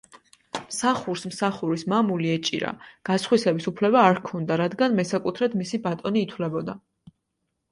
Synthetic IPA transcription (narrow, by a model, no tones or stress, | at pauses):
msaχuɾsmsaχuɾismamuliɛt͡ʃʼḭɾa̰ɡ̥asχwisɛbisupʰlɛbaːɾkʰɔnd̪aɾad̪ɡanmɛsakʼut̪ʰɾɛd̪misibat̪ʼɔniːt̪ʰwlɛbɔd̪a